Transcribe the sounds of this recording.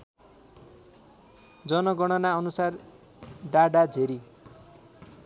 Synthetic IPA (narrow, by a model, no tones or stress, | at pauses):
d͡zʌnʌɡʌɽ̃ʌnaʌnusar | ɖaɽad͡zʱeɾi